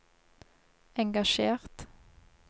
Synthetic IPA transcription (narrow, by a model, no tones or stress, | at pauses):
ɛŋɡɑʃeːʁt̪